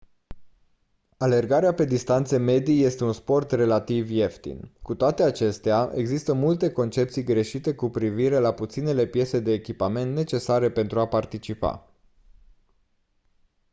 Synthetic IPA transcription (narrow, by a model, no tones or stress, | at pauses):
ale̞rɡaɾeape̞d̪ist̪ant̪seme̞d̪ije̞st̪e̞unspo̞rt̪re̞lat̪ivje̞ft̪ḭnkut̪oat̪e̞at͡ʃe̞st̪eaʔe̞̰ɡzist̪əmult̪e̞ko̞nt͡ʃe̞p̚t̪sijɡɾe̞ʃit̪e̞kupɾiviɾe̞laput̪sine̞le̞pje̞se̞d̪e̞ːkʲipame̞nt̪ne̞t͡ʃe̞saɾe̞pe̞nt̪ɾuapart̪it͡ʃipa̰